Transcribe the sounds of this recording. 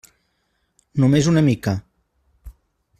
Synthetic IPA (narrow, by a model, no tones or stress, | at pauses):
numezunəmika